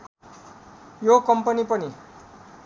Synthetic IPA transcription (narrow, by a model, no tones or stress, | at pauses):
jokʌmpʌnipʌni